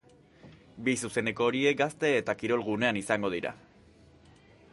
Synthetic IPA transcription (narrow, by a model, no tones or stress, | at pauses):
bisuse̞ne̞ko̞ːɾie̞k̚ɡast̪e̞ːt̪akiɾo̞lɣune̞anisaŋɡo̞ð̞iɾa̰